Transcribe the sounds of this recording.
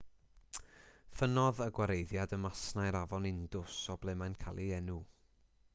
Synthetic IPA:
fənɔðəɡwaɾejðjadəmasnajɾavɔnɪndʊsɔblˠɛmajnkʰalˠiɛnu

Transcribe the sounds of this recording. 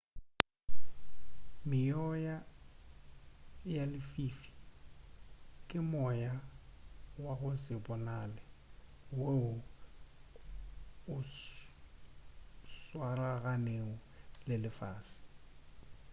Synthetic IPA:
mɪjɔja | jalɪfiːfi̥ | kʼɪmɔja | waɣʊsɪbʼɔnaːlɪ | weʊ | ʊ | swaraɣaneŋɔlɪlɪfaːsɪ̥

